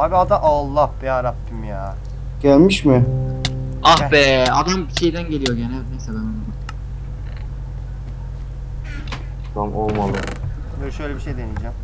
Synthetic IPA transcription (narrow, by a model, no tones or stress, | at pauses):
abiad̪aʔalˠːabiaɾap̪ːimjaː | ɟ̥ælʲmiʃmɪ | ahbɛad̪ambiʃe̞jd̪ænɟelʲijo̞ɟenælʲnejsɛb̪anana | amolˠmalˠɯ | ølʃøjlʲebiʃejd̪e̞nijd͡ʒæm